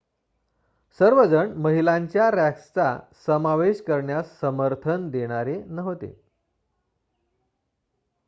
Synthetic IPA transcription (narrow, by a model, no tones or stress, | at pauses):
səɾʋəd͡zəɳməɦilaɲt͡ɕjaɾækst͡sa̰səmaʋeɕkəɾɳjasːəməɾt̪ʰənd̪eɽ̃aɾenəɦot̪ḛ